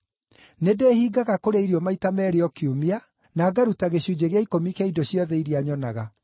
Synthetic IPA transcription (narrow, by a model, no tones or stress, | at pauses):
nedeːhiːɡaɣakoɾeiɾiɔmaitamɛːɾeɔkiomia | naːɡaɾutaɣeɕjud͡ʑeɣeaikomikeidoɕjɔðɛiɾiaɲɔnaɣa